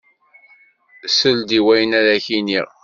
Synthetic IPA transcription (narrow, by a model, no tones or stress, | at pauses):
səld̪iwæjənæɾæçiniʁ